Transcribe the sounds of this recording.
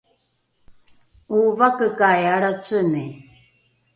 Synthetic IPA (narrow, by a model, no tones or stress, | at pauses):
uvakəkajaɽat͡səni